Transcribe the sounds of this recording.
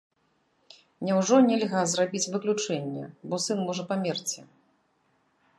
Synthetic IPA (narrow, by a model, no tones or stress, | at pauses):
nʲɛwʐɔnʲɛlʲɣazrabʲit͡sʲvɨklʲut͡ʂɛnʲːɛ̰bɔsɨnmɔʐɐpamʲert͡sʲɛ